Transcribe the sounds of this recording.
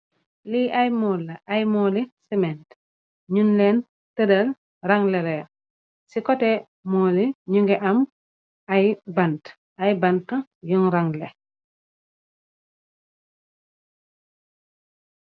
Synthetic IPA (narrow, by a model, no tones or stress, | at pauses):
liʔɐjmɔːlːɐʔajmɔːlisimɛnt | ɲunlɛn | tədɐl | raŋlɛɾɛː | sikɔtɛ | mɔːliɲuŋɡɛʔɐm | ɐjbant | ʔɐjbɐnkɐjuŋɾaŋle